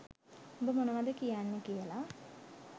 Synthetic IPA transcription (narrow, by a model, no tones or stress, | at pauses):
ombəmonəʋad̪əkijanːekijəla